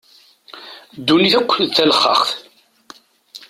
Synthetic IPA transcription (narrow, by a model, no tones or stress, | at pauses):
d̪ːuniθækʷːðθæləχːə̰χθ